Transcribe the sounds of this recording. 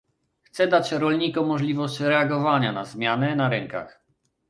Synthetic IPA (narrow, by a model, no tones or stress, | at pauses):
xt̪sɛd̪at͡ɕɾɔlɲikɔmːɔʐlʲivɔɕt͡ɕɾɛaɡɔvaɲanazmʲjanɛnaɾɛŋka̰x